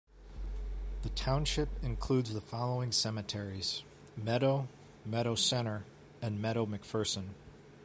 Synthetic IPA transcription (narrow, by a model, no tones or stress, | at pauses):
ðɨtʰãʊ̃nʃɪpɨ̃nkʰl̥ʉdzðəfɑlˠoʊɪ̃ŋsɛmɨtʰɛɹiz̥ | mɛɾoʊ | mɛɾoʊsɛ̃ɾ̃ə˞ | ɨ̃nmɛɾoʊmɨkfɜ˞sə̃n